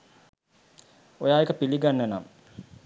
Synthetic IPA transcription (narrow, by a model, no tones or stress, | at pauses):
ojaːekəpiliɡanːəna̰m